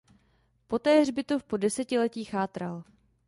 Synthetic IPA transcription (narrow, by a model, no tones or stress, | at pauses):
po̞t̪ɛːr̝bɪt̪ofpo̞dɛsɛcɪlɛciːxaːt̪ɾal